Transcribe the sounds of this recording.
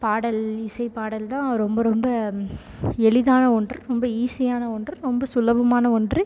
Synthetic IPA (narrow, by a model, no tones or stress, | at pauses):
paːɽɐlɪsɐɪpaːɽɐlt̪ãːɾɔmbɐɾɔmbɐ | ɛɭɪðaːnɐɔɳdrɯɾɔmbɐiːsɪjaːnɐɔɳdrɯɾɔmbɐsʊlɐbɐmaːnɐɔɳdrɯ